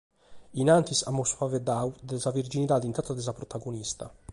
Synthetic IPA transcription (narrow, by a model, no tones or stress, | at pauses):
inant̪isamːosfaved̪awd̪ezavird͡ʒinit̪ad̪int̪at̪ːad̪ezapɾot̪aɡonist̪a̰